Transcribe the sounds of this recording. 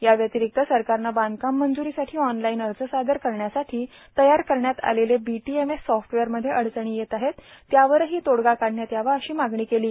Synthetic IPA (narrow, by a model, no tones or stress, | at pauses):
jaʋjət̪iɾik̚t̪əsəɾkaɾnaband̪kamːənd͡zuɾiːsaʈʰiːɔnlainəɾt͡səsad̪əɾkəɾɳjasaʈʰiː | t̪əjaɾkəɾɳjat̪a̰lelebiʈiemesːɔfʈʋeəɾməd̪ʱːjeʔəɽt͡səɳ̃iːjet̪aɦet̪ːjaʋəɾɦiːt̪oɽɡakaɽɳjat̪jaʋəəɕiːmaɡɳiːkeliː